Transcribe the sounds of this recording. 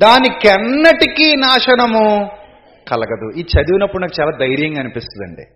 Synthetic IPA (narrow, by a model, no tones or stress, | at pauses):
d̪aːnikɛnːɐʈikinaːʂɐnɐmu | kɐlɐɡɐd̪uiːt͡ʃɐd̪iʋinɐpːuɽunɐːkut͡ʃaːlaːd̪ɐjɾjɐŋɡaːɐːnipist̪und̪ɐ̰ɳɖḭ